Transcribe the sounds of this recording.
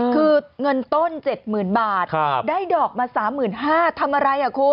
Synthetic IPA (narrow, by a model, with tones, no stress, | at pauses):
kʰɯː˧ŋɤ˧nt̪o˥˩nt͡ɕe˨˩t̪̚mɯː˨˩nbaː˨˩t̪̚kʰdaː˥˩jdɔː˨˩k̚maː˧saː˩˦mːɯː˨˩nɦaː˥˩t̪ʰa˧mʔa˧ɾa˧jha˨˩kʰuː˦˥